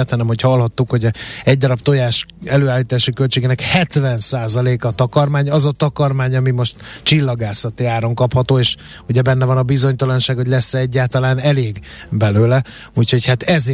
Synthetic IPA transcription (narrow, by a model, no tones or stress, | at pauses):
ɛt̪hɒnɛmho̞cɒlhɒt̪ːukho̞ɟɛɟd̪ɒɾɒpt̪o̞jaːʃɛløːaːlːiːt̪aːʃikølt͡ʃeːɡeːnɛkhɛt̪vɛnsaːzɒleːkɒt̪ɒkɒrmaːɲɒzɒt̪ɒkɒrmaːɲɒmimo̞ʃt̪t͡ʃilːɒɡaːsɒt̪iaːɾo̞ŋkɒphɒt̪oːeːʃ | uɟɛbɛnːɛvɒnɒbizo̞ɲt̪ɒlɒnʃaːɡhoɟʲlɛsːɛɛɟːaːlt̪ɒlaːnɛleːɡ | bɛløːlɛ | ucho̞chat̪ɛz